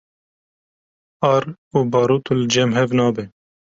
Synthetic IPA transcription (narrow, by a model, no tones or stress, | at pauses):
ɑːɾuːbɑːɾuːt̪ʰulɨd͡ʒɛmɦɛvnɑːbɛ